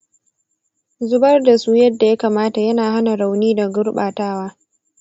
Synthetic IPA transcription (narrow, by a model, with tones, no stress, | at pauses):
zʊ˦bɐ˦rda˨suː˦jɐ˦dːa˨ja˦kaː˨maː˦ta˨jɐ˦naː˨ɦa˦na˨ɽa˨wniː˦da˨ɡʊ˦ɾɓaː˨taː˦waː˦